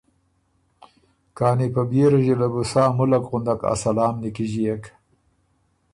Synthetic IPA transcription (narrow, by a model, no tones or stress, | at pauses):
kɑːnipabjeɾaʒilabusɑːmʊlakɣʊnd̪aka̰salɑːmnikiʒijak